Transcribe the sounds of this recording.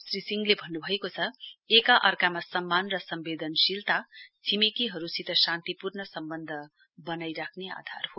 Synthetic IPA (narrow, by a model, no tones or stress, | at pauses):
srisiŋɡlebʱʌnːubʱʌekot͡sʰʌekaʔʌrkamasʌmːanrʌsʌmbed̪ʌnsilt̪at͡sʰimekiɦʌɾusit̪ʌsãnt̪ipurnʌsʌmbʌnd̪ʱʌ | bʌnajɾakʰnea̰d̪ʱa̰rɦo